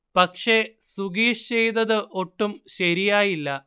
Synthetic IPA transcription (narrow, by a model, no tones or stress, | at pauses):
pɐkʂe̞suɡiːʂt͡ɕejt̪ɐðɨʔo̞ʈːumɕɐɾijaːjilːɐ